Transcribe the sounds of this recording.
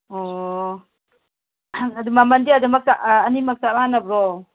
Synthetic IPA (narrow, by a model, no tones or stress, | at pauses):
ɔ | adumamandiadumakaːnimak̚taɾaanabɾɔ